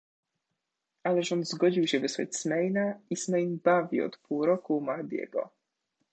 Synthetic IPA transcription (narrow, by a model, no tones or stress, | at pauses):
alɛʐɔnzɡɔd͡ʑiwɕɛvɘswa̰t͡ɕsmɛjnaismɛjnbavʲḭɔ̰t̪puwɾɔkumaɾd̪ʲjɛ̰ɡɔ̰